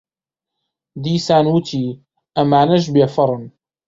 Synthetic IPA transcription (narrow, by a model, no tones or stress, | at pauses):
d̪iːsaːnwʊt̪ʰiː | ʔamaːnaʃ̬bjafɑɾˤn